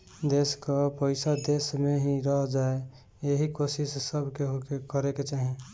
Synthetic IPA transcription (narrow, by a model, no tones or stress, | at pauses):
d̪eːskapəɪsad̪eːsmẽɦiɾəɦd͡ʒaːe | jeɦikoːʃɪsːəbʱkeɦokekəɾeket͡ʃaːɦẽ